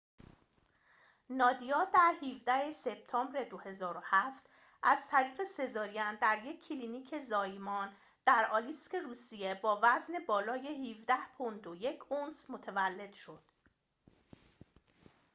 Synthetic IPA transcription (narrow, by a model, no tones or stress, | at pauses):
nɒːd̪ijɒːd̪æɾhiːvd̪æhe̞se̞b̥̚t̪ʰɒːmbɾe̞d̪o̞he̞zɒːɾo̞hæft̪ | ʔæzt̪ʰæɾiːɣe̞se̞zɒːɾijænd̪æɾje̞cʰːiliːniːcʰe̞zɒːjmɒːn | d̪̥æɾɒːliskʲe̞ɾuːsije̞bɒːvæzne̞bɒːlɒːjehiːvd̪æhpʰond̪oje̞cʰonsmo̞t̪ʰevælːe̞d̪̥ʃo̞d̪̥